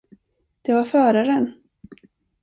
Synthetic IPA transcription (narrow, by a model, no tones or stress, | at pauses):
d̪̥ɛvaɾfœːɾaɾən